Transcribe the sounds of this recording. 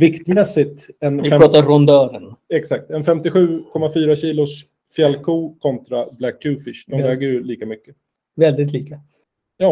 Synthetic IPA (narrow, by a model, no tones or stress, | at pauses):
vɪkt̪mɛsːɪt̪ɛnɪɛɾɑːt̪aɾɔnd̪œːɾənɛksak̚t̪ɛnfɛmt̪ɪɧʉ̟ːkʰɔmːafyːɾaɕiːlʊs | fjɛlːkʰuːkʰɔnt̪ɾablækːʉːfɪʂd̪ɔmvɛːɡəjɵliːkamʏkːə | vɛld̪ɪt̪liːka | jɑː